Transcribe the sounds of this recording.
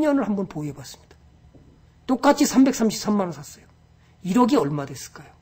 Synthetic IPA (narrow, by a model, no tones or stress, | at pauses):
ɲʌnɯɭhambʌnpoiebwas͈ɯ̥mɲid̥ḁ | t͈ok͈at͡ɕʰisʰambe̞ks͈ʰamɕʰip̚s͈amːanasʰas͈ʌjo | iɾʌɡiʌɭmadwe̞s͈ɯ̥ɭk͈ajo